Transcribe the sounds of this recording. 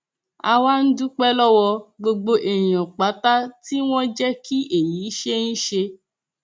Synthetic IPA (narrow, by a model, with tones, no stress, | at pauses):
a˧wa˦n̩˦du˦k͡pɛ˦lɔ˦wɔ˧ɡ͡bo˧ɡ͡bo˧ʔe˨j̃ɔ̃˨k͡pa˨˦ta˦ti˦w̃ɔ̃˦d͡ʒɛ˦ki˦ʔe˨ji˨˦ʃe˦ñ̩˦ʃe˧